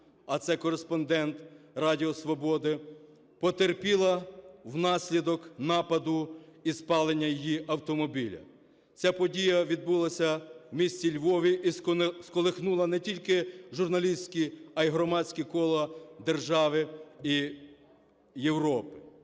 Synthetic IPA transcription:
ɐt̪sɛkɔɾespɔnd̪ɛnt̪rɑdʲiɔsʋɔbɔd̪ɪ | pɔt̪erpʲilˠɐwnɑsʲlʲid̪ɔknɑpɐd̪ʊispɑlˠenʲːɐjijiʔɐwt̪ɔmɔbʲilʲɐ̰ | t͡sʲapɔdʲijɐʋʲid̪̚bulˠɐsʲɐwmʲisʲt͡sʲilʲʋɔʋʲiʔiskɔlˠexnulˠɐnɛtʲilʲkɪʒʊrnɐlʲisʲtʲkʲiɐjiɦɾɔmɑt͡sʲkʲikɔlˠɔd̪erʒɑʋɪi | jewɾɔpɪ̥

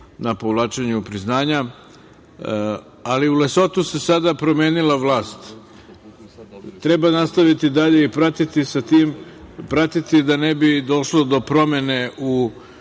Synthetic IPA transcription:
napo̞ʋlˠaːt͡ʃeɲuupɾiznaːɲa | aliuleso̞t̪use̞sad̪apɾo̞me̞ːnilaʋlˠaːst̪ | t̪ɾebanast̪aʋit̪id̪aʎe̞ipɾat̪it̪isat̪iːmpɾat̪it̪id̪anebid̪o̞ʃlo̞d̪o̞pɾo̞me̞ne̞u

